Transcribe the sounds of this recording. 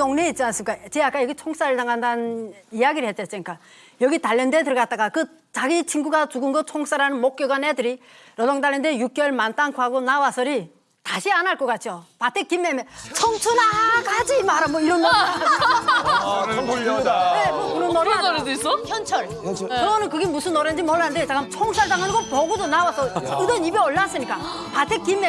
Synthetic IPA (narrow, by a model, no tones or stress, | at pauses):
oŋneit̚t͡ɕians͈ɯmik͈at͡ɕeak͈ajʌɡit͡ɕʰoŋs͈aɾɯɭtaŋɦandaɯnijaɡiɾɯɭhet̚t͡ɕ͈es͈eɲik͈a | jʌɡitaʎːʌndetɯɾʌɡat̚t͈aɡakɯ | t͡ɕaɡit͡ɕʰinɡuɡat͡ɕuɡɯnɡʌt̚t͡ɕʰoŋs͈aɾanɯnmok̚k͈jʌɡanedɯɾiɾʌdoŋdaʎːʌndejuk͈̚jʌɭmant͈aŋkʰuɦaɡonawasʰʌɾi | taɕʰianaɭk͈ʌk͈at̚t͡ɕ͈ʰijopatʰekimːemet͡ɕʰʌŋt͡ɕʰunaɡad͡ʑimaɾamwʌiɾʌnːoa | nemʌunʌnːoɾasis͈ʌçʰʌnt͡ɕʰʌɭ | ʌʌnɯnkɯɡemusʰɯnoɾend͡ʑimʌɭːanɯndet͡ɕakamt͡ɕʰoŋs͈aɭtaŋɦanɯɡʌpʌɡudonawasʰʌɯdʌnibeʌɭːas͈ɯɲik͈a | patʰek͈imːe